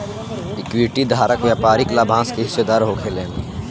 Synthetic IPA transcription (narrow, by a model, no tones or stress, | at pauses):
ɪkwiʈid̪ʱaːɾəkʋjapaːɾiklaːbʱãːskeɦɪʃed̪aːɾɦoːkʰeleːn